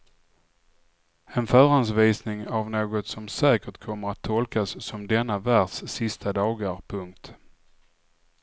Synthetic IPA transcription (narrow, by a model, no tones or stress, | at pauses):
ɛnfœːɾansviːsnɪŋavnoːɡɔt̪sɔmsɛːkəʈkʰɔmːəɾat̪ʰːɔlkasːɔmd̪ɛnːavæɖsːɪst̪ʰad̪ɑːɡəɾpʰɵŋk̚t̪